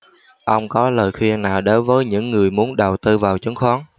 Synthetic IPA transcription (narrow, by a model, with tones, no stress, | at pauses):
ʔə˧wŋ͡mkɔ˨˦ləː˨˩jxwi˧ənːaː˨˩wɗo˨˦nvəː˨˦jɲɨ̰˧˥ŋːɨ˨˩əjmu˨˦ənɗə˨˩wt̪ɨ˧vaː˨˩wt͡ɕu˨˦ŋxɔ˨˦ŋ